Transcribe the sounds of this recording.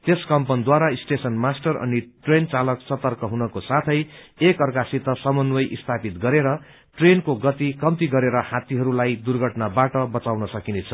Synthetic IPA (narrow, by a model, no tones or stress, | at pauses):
t̪eskʌmpʌnd̪waɾaisʈesʌnmasʈʌrʌ̰niʈrent͡salʌkt͡sʌt̪ʌrkʌɦunʌkosat̪ʰʌjekʌrkasit̪ʌsʌmʌnwʌjʔist̪ʰapit̪ɡʌɾeɾʌ | ʈrenkoɡʌt̪ikʌmt̪iɡʌɾeɾʌhat̪iɦʌɾulajd̪urɡʱʌʈnabaʈʌbʌt͡sawnʌsʌkinet͡sʰʌ̥